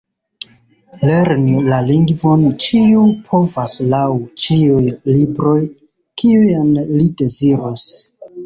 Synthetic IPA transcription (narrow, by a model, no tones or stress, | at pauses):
le̞ɾnilaliŋɡvo̞nt͡ʃiupʰo̞vaslawt͡ʃiujlibɾo̞j | kiujanlide̞ziɾos